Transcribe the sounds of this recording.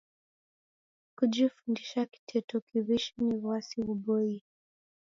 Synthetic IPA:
kud͡ʒifundiʃaki̥tʰɛtɔkiβiʃinivwasiuɓɔi

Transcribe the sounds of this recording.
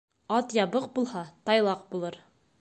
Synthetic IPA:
ɒt̪jɑbɤqbulˠhɑt̪ɑjlˠɑq̚bulˠɤɾ

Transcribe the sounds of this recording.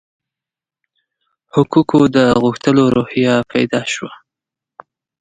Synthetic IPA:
hʊkukʰod̪əɣuxt̪əloɾohjapʰajd̪ɑʃwa

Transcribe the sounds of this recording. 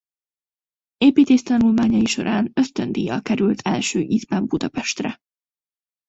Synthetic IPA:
eːpiːt̪eːʃt̪ɒnulmaːɲɒiʃo̞̰ɾʔaːnø̞st̪ø̞nd̪ijɒkɛɾylt̪ʰɛ̰lʃøːʔizbɛmbud̪ɒpɛʃt̪rɛ

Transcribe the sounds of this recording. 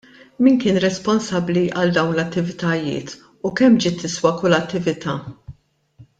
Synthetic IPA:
miːnkɪːnɾɛspɔnsɐbliʔɐld̪ɐwnlɐt̪ːɪvɪt̪ɐjɪ̰ːt̪ | ukɛmːd͡ʒɪːt̪ːɪswɐkʊlːɐt̪ːɪvɪt̪ʰɐː

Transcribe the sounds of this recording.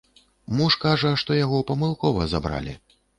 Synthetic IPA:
muʂkaʐɐʂt̪ɔjaɣɔpɐmɨlˠkɔvɐzabɾa̰lʲḭ

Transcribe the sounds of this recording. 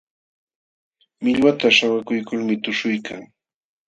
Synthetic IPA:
mɪʎwat̪aʃawakʊjkʊlmɪt̪ʊʃʊjkʰaŋ

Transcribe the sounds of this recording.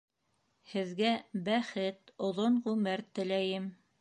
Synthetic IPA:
hɘ̆ðɡæbæχɘt̪ŏðoɴʁʉmɘɾt̪ɘ̆læjɘm

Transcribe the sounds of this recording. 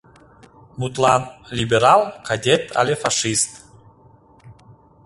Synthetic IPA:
mut̪lˠɑnlʲibʲeɾɑlˠkʰad̪ʲet̪ʰa̰lʲefɑʂist̪

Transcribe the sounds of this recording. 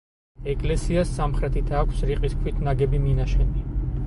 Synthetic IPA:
ɛkʼlɛsiasːamχɾɛt̪ʰit̪ʰaːkʰsɾiqʼiskʰwit̪ʰnaɡɛbiminaʃɛni

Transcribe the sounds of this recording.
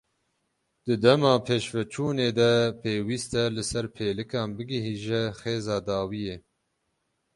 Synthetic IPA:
d̪̥ɨd̪ɛmɑːpʰeːʃvɛt͡ʃʰuːneːd̪ɛpʰeːwiːst̪ɛlɨsɛɾpʰeːlɨkɑːnbɨɡɪɦiːʒɛxeːzɑːd̪ɑːwijeː

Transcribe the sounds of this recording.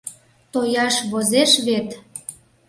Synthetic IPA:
t̪ojɑʃβozeʃβet̪

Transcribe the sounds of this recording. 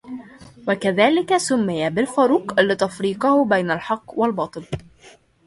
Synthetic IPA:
wakaðaːlɪkasʊmːɪjabɪlfɑɾuːqlɪt̪afɾiːqɑhʊbajnalħɑqːwalbɑːt̪ˤɨl

